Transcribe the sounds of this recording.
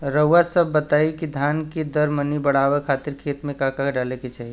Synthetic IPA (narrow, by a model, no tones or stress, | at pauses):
ɾəʋasəbːət̪aikid̪ʱanked̪əɾmənibəɽ̤aʋɛkʰat̪iɾkʰet̪mẽkãkaɖaleket͡ʃʰaɦi